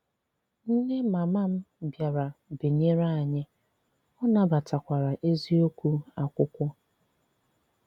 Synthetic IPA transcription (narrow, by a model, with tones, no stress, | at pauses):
n̩˦ne˦ma˨ma˦m̩˦bja˨ɾa˨be˨ɲe˦ɾa˦a˨ɲɪ˦ | ɔ˦na˦ba˨ta˨kʷa˨ɾa˨ʔe˦zi˦o˦kʷu˦a˨kʷʊ˦kʷɔ˦